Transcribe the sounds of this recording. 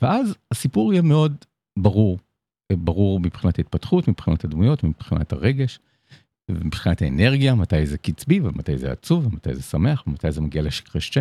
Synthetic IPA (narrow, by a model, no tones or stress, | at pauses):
veʔazasipuʁijɛme̞o̞d | baʁuʁ | baʁuʁmipχinatait̚patχutmipχinathadmujo̞tmipχina̰taʁe̞ɡe̞ʃ | vemipχinathaene̞ʁɡijamatajzekit͡sbivemat̪ajzḛa̰t͡suvemata̰jzesame̞aχvemat̪ajzemaɡialeʃi̥kʁeʃt͡ʃe